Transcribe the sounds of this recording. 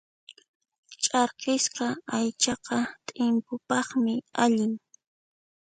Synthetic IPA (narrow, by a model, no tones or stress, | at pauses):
t͡ʃʼɑɾqɪsqɑajt͡ʃɑqɑt̪ʼɪmpʊpɑχmɪaʎɪŋ